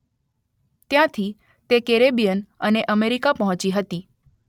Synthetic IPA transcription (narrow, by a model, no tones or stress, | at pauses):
t̪jãt̪ʰi | t̪ekeɾebijənəneʔəmeɾikapəɦɔ̃t͡ʃiɦət̪i